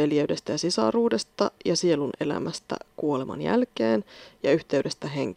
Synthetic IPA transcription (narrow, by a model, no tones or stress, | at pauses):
eljeyde̞st̪æjɑsisɑ̰ruːde̞st̪ɑjɑsie̞lunʔe̞læ̰mæst̪æ̰kuo̞lemɑ̰njæ̰lkeːnjɑyht̪e̞yɥde̞st̪æɦeŋk